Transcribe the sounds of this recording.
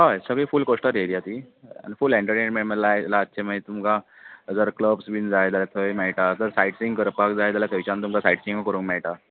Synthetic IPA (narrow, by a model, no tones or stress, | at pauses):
ɦajsəɡɭiːfulkoʂʈəɾeɾijat̪ia̰nifuleɳʈəɾʈeɳmeməlajlaətːɕʰeməit̪umka | d͡zəɾkləbsbiːnd͡zajt̪jaljat̪ʰəemɛɭʈat̪əɾsajʈsĩŋɡkəɾpak̚d͡zajt̪jaljak̪əʋt͡ɕãnt̪umkasajʈsĩŋɡkəɾuːnmɛɭʈa